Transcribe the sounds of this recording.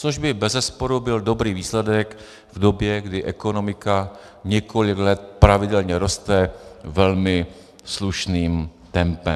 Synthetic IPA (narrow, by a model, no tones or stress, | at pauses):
t͡soʒbɪbɛzɛspo̞ɾubɪldo̞bɾiːviːslɛdɛk | vdo̞bjɛɡdɪʔɛko̞no̞mɪka | ɲɛkʰo̞lɪɡlɛt̪̚pɾavɪdɛlɲɛɾo̞st̪ɛvɛlmɪ | sluʃniːmt̪ɛmpɛ